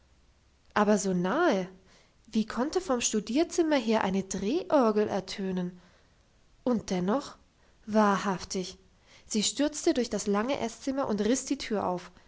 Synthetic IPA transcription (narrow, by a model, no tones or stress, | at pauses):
ʔaːbɐzoːnaːə | viːkʰɔntəfɔmʃtudiːɐt͡sɪmɐɦeːɐʔa̰ɪnədʁeːʔɔɐɡl̩ʔɛ̰ɐtʰøːnən | ʔʊnt̚d̥ɛnɔχ | vaːɐhaftɪç | z̥iːʃtʏɐt͡stədʊɐçd̥aslaŋəʔɛst͡sɪmɐʔʊntʁɪsd̥iːtʰyːɐʔa̰ʊf